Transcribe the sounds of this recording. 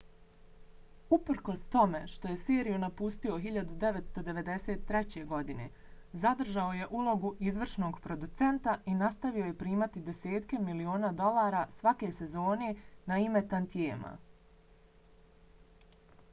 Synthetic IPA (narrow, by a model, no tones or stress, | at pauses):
upɾ̩ko̞st̪o̞me̞ʃt̪o̞je̞siːɾijunapust̪io̞ɦiʎad̪ud̪e̞ʋet̪st̪o̞d̪e̞ʋe̞d̪e̞set̪ːɾe̞t͡ɕe̞ɡo̞d̪ine̞̰ | zad̪r̩ʒao̞je̞ʔulo̞ɡuʔizʋr̩ʃno̞ːɡpɾo̞d̪ut̪se̞nt̪aʔinast̪aʋio̞je̞pɾiːmat̪id̪e̞se̞ːt̪ke̞milio̞ːnaːd̪o̞lˠaːɾasʋake̞se̞zo̞ːne̞naime̞t̪ant̪jeːma̰